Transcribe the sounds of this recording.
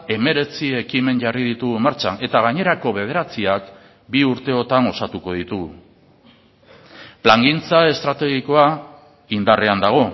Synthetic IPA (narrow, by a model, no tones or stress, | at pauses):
e̞me̞ɾe̞t͡sie̞kime̞nʝarið̞it̪uɣumaɾt͡ʃane̞t̪aɣ̞aɲe̞ɾako̞βe̞ð̞e̞ɾat͡siak | biuɾt̪e̞o̞t̪aŋo̞sat̪uko̞ðit̪uɣ | plaŋɡint͡sae̞st̪ɾat̪e̞ɣ̞iko̞a | ind̪are̞and̪aɣ̞o̞